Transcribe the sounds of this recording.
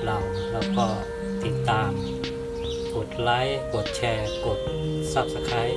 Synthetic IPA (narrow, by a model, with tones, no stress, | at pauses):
la˧˩w | lɛː˦˥wkɔː˧˩ | t̪i˨˩t̪ːaː˧m | ko˨˩t̪̚la˦˥jko˨˩t̪̚t͡ɕʰɛː˧˩ko˨˩t̪̚ | sa˧˩p̚sa˧kʰa˧˦˥j